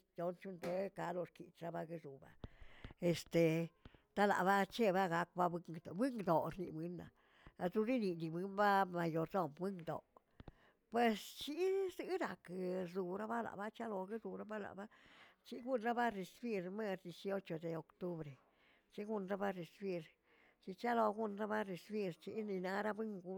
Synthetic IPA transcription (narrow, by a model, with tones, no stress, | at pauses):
d̪o˧nt͡ʃu˦nd̪e˧˦ka˦lo˧ɾkḭ˨t͡ʃɾa˦ba˦ɡɨ˧zu˨ba̰˨e˨st̪e˨t̪a˦la̰˨ʔba˦t͡ʃe˦ba˦ɡa˦k̚ba˦bɨ˧ŋɡd̪bɨ˦ŋɡd̪o˨ɾnḭ˧bɨ˦nːa̰˨ | a˧t̪ɾu˧˦ɾi˦ni˨d̪i˧bʷɨ˦nba˦ma˧jo˧ɾd̪o˦˨mwɨ˦ŋɡd̪o̰˨ | pwe˧st͡ʃi˦zɨ˦ɾa˨kzu˧ɾa˦ba˦la̰˨ba˦t͡ʃa˦lo˧ɡi˦zu˨ɾa˦ba˦la̰˨ba˦t͡ʃi˦ɡu˦nɾa˦ba˦ɾe˧sbi˦˧ɾme˦ɾd̪i˧sjo˦t͡ʃo˨d̪e˨o˨kt̪u˦bɾe˨ | t͡ʃi˦ɡu˦˧nɾa˦ba˦ɾe˧sbi˧ɾ | t͡ʃi˧t͡ʃa˦lo˧ɡu˦nɾa˦ba˦ɾe˧sbi˧ɾt͡ʃi˦ni˧na˧˦ɾa˦bɨ˦ŋɡu˧